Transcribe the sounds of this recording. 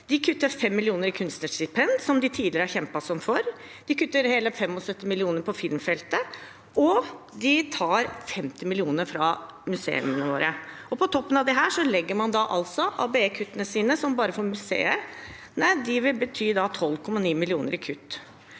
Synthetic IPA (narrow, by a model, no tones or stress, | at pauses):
d̪̥ɪkʰʉt̪ːəɾfɛmːɪlɪuːnəɾɪkʰʉnst̪nəʂɪpʰɛnd̪sɔmd̪ɪt̪ʰiːd̪lɪɾəhæɾçɛmpɑsɔmfɔɾ | d̪̥ɪkʰʉt̪ːəɾheːləfɛmɔsœt̪ːɪmɪlɪuːnəɾpʰɔfɪlmfɛlt̪ə | ʔɔ | d̪ɪt̪ʰɑːɾfɛmt̪ɪmɪlɪuːnəɾfɾɑ | mʉsḛːʉ̰mənəʋo̰ːɾə | ɔpʰɔt̪ʰɔpːənɑʋd̪ɛɦæːʂɔlɛɡːəɾmɑnd̪ɑʔɑlsɔʔɑ̰beeːkʰʉt̪ːənəsiːnəsɔmbɑːɾəfɔɾmʉsḛːəɾ | næɪd̪ɪʋɪlbət̪ʰyːd̪ɑt̪ʰɔlːkʰɔmːɑniːmɪlɪuːnəɾɪkʰʉt̪ː